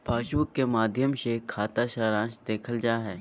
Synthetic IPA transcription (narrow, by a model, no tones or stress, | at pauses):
paːʃuːkːemaːd̪ʱjəmsekʰaːt̪aʃaːɾãːʃd̪eːkʰəld͡ʒaːɦɛː